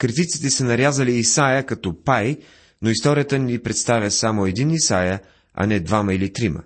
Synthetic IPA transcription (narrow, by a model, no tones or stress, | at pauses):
kɾit̪it̪si̥t̪ɛsənɐɾjazəliːsajəkɐt̪ɔpaj | noist̪ɔɾʲijət̪ənʲipɾɛt̪st̪avʲəsamoɛd̪inisajə | ɐ̰nɛd̪vamɐilit̪ɾimə̰